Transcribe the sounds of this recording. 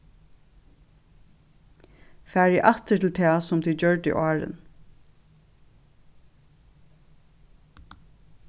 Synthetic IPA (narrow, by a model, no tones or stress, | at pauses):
fæːɹiʔat̪ətʰɪlt̪ʰæːsʊmt̪ʰid͡ʒœɹt̪ɪ̰ʔɑːɹɪ̰n